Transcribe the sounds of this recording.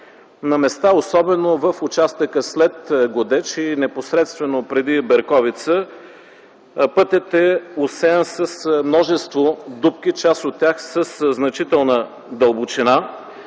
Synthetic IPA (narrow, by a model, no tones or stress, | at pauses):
nɐmɛst̪aosɔbɛnovəfʊt͡ʃast̪əkəslɛt̪ɡod̪ɛt͡ʃinɛposɾɛt̪st̪vɛnopɾɛd̪ibɛɾkɔvit̪sə | pɤt̪ɛt̪ɛosɛnsəsmnɔʒɛst̪vod̪up̚k̟it͡ʃasot̪ːʲjaxsəsznɐt͡ʃit̪ɛlˠnə | d̪əlˠbot͡ʃina